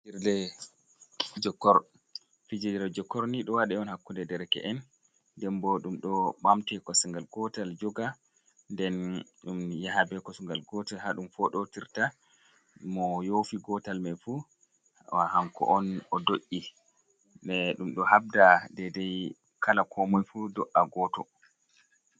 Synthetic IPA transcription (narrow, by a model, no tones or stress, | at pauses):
iɾlɛ | d͡ʒɔkːɔɾ | fid͡ʒidɾɛd͡ʒɔkːɔɾniɗɔwaɗɛɔnhakːundɛdɛɾɛkɛ̰ʔɛn | dɛmbɔɗumɗɔɓamtɛkɔsuŋɡalɡɔtald͡ʒɔɡa | ndɛnɗumjaɦabɛkɔsuŋɡalɡɔtalhaɗumfɔɗɔtiɾta | mɔjofiɡɔtalmafu | wahaŋkɔ̰ʔɔnɔdoʔʲːi | ɗɛɗumɗɔhab̚dadɛdɛj | kʰalakʰɔmɔjfudɔʔaɡɔtɔ